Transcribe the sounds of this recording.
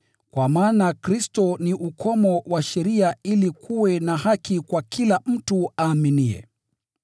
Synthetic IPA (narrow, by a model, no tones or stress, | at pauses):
kwamaːnakɾistɔniʔukʰɔmɔwaʃɛɾiailikʰuwɛnaɦakikwakilam̩tuaːminiɛ̰